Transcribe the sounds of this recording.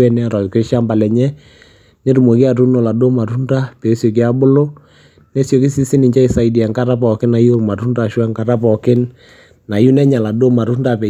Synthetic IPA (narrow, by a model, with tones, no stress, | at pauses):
ɛ˦nɛ˦ɾɔ˨ke˦ʃa˦mba˨lɛ˨ɲɛ˦ | ne˦ɾu˨mo˨ki˦a˨tu˦no˨la˨do˦ma˨tu˦nda˦pe˨˦sjo˨k̬i˦a˦bʊ˦lo˦ | ne˦sjo˨ki˦si˦sɪ˦nɪ˨ɲt͡ʃa˦ɪ˨sa˨i˨di˨ɛ˨ŋka˦ɾa˦pɔ˨kɪ˦na˨jo˦ɾma˨ɾu˦nda˨ʃwɛ˦ŋka˨ɾa˦pɔ˨kɪ˦n | na˨ju˦nɛ˦ɲa˨la˨do˦ma˨ɾu˦nda˦˨pɛ˨